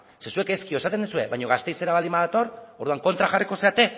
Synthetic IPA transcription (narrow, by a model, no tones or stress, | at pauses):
se̞sue̞keskio̞esat̪e̞nd̪usue̞βajɲo̞ɣ̞ast̪e̞jse̞ɾaβalimaðat̪o̞ɾo̞ɾðuaŋko̞nt̪ɾaxariko̞se̞at̪e̞